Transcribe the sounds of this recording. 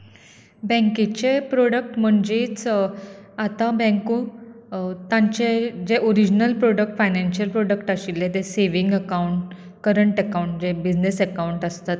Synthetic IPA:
bɛ̃ŋket͡ɕepɾoɽək̚ʈm̤əɳd͡ʑet͡s | at̪ãbɛ̃ŋku | t̪ãɲt͡ɕed͡ʑeʔoɾid͡ʑnəlpɾoɽək̚ʈfajnanɕijəlpɾoɽəkʈaɕilːet̪eseʋiŋɡəkauɳʈ | kəɾəɳʈəkauɳʈd͡ʑebid͡ʑnesəkawuɳʈəst̪at̪̚

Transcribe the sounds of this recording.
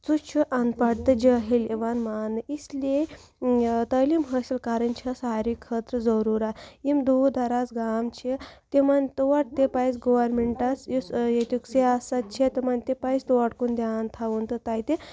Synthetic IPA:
t͡sut͡ʃʰuʔand̪̚paɽt̪əd͡ʒeɦeleʋanmaːnɨʔisle | t̪əlimɦəsilkaɾənt͡ʃʰasaɾikʰːət̪ɾəd͡zəɾuɾaimd̪ud̪ʱaɾat͡sɡamt͡ʃʰet̪emant̪uʋaʈ̚t̪epait͡sɡoʋəɾmeɳʈasjisjet̪ukseasat̪̚t͡ʃʰet̪əmant̪epaist̪uʋaʈkund̪aːnt̪ʰaʋunt̪ət̪ajt̪e

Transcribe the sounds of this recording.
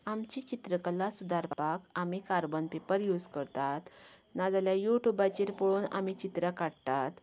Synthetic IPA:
amt͡ɕit͡ɕit̪ɾəkəlasud̪aɾpakamikaɾbənpepəɾjud͡zkəɾt̪at̪nad͡zaljajuʈubat͡ɕeɾpoɭuːna̰mit͡ɕit̪ɾəkaɽt̪at̪

